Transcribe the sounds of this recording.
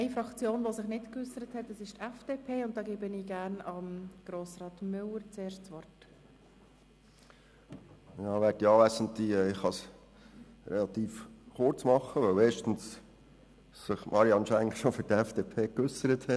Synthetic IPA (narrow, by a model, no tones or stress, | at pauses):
ɛɪfɾɑkt͡sjoːnʋosɪχnɪtkʏsːəɾəthɛtːəsɪʃtɛfd̥eːpʰeːʊnt̚d̥ɑːɡeːbəniːɡæːɾnɑmɡ̥ɾoːsrɑːtmʏləɾt͡seːʃtt͡sʋɔrt | jɑːʋɛːɾdiɑːʋæsən̩t̪iɛɪχhɑs | ɾɛlɑt̪iːfχʊɾt͡smɑχːəʋœweːʃtən̩s | sɪχmʔɑɾiɑnʃæŋʃofʏɾdəɛfd̥eːpʰeːkʏsəɾəthɛ